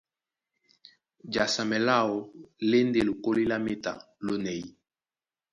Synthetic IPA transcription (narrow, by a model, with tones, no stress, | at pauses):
d͡ʒa˨sa˨mɛ˨la˦˨o˨le˦nde˦˨lo˨ko˦li˦la˦me˦ta̰˨ | lo˦nɛ˨i˦